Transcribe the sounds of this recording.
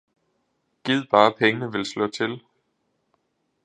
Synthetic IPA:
ɡ̥ið̰ˠb̥ɑ̈ːpʰeŋənəʋe̝lslɔ̽t͡sʰe̝l

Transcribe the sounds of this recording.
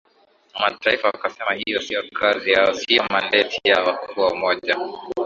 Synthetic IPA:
mataifawakasɛmahijɔsijɔkʰazihaɔsijɔmalɛtʰijawakuːwaumɔʄa

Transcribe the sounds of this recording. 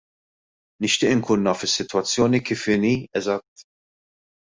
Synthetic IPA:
nɪʃt̪ɪːʔɪŋkuːnːɐːfɪsːɪt̪wɐt͡sːjɔːnikiːfɪniːɛzɐt̪ː

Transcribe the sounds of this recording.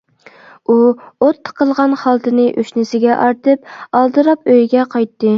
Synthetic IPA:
uot̪ʰːə̥qʰəlˠʁɑnχɑlˠt̪ʰɨnɨʔøʃnɪsɪɡʲɛʔɑɾt̪ɨp̚ɑlˠd̪ɨɾɑpøjɡʲɛqʰɑjt̪ːɨ

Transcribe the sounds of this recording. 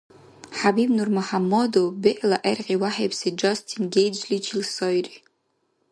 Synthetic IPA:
ħabibnurmuħamːodobeʔlaʔerqʲiwaħejpʰsed͡ʒastʰinɡʲejd͡ʒlit͡ʃʰilsojri

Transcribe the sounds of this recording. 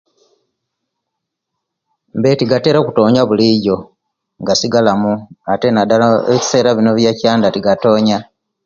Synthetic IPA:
mbe̞tiɡate̞ːɾoku̥to̞ːɲaβuliɟo̞ | ŋɡasiɡalamuate̞nadaeci̥se̞ːɾaβino̞βjacaːndatiɡato̞ːɲa

